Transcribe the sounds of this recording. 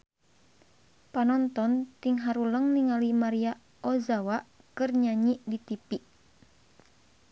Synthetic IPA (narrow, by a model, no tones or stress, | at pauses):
panɔnt̪ɔnt̪iŋɦaɾuləŋniŋalimaɾia | ɔzawaʔ | kɨrɲaɲiʔdit̪ipiʔ